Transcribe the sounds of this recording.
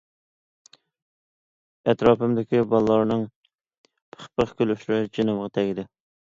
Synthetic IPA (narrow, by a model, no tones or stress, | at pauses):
ɛt̪ɾɑːpɨmd̪ɪkʲibɑlˠlˠɑɾnɨŋ | pʰə̥χpəχkʲʰylyʃɾɾɪd͡ʒenɨmʁɑt̪ʰɛɡʲɪd̪ɪ